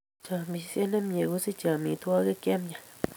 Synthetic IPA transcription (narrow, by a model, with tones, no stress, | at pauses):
t͡ʃa˨mi˨˦sje˦ne˦mɲe˨ɡu˦si˦t͡ʃa˨mi˨t̪wa˦ɡe˦ke˦mɲa˨